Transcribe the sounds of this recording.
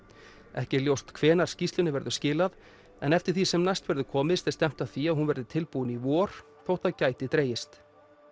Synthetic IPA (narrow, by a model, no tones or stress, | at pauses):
ɛ̰hcɪljowst̪kʰvɛːnaɾ̥scist̪lʏnɪvɛɾðʏscɪːlað | ɛ̰nɛft̪ɪɾ̥θisɛmnajst̪vɛɾðʏkʰɔːmɪðsθɛst̪ɛm̥t̪ḁθiaðɦunvɛɾðɪt̪ʰɪlpunivɔːɾ̥ | θowht̪aðcaːjt̪ɪt̪ɾeːjɪst̪